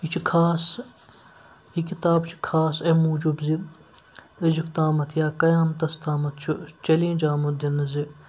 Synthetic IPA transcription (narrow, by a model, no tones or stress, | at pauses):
it͡ʃʰikʰaːs | ikit̪aːbt͡ʃʰi̥kʰaːsemuːd͡ʒubzi | ed͡ʒikt̪aːmɐt̪ʰjaːkɐjaːmt̪ɐst̪ʰaːmɐt̪̚ʰt͡ʃʰut͡ʃɐlẽːd͡ʒaːmɐd̪inɐzi